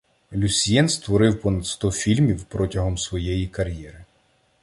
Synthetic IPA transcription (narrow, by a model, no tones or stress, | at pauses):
lʲusʲijɛnst̪ʋɔɾɪwpɔnɐd̪st̪ɔfʲilʲmʲiwpɾɔtʲɐɦɔmsʋɔjɛjikɐɾʲjɛɾɪ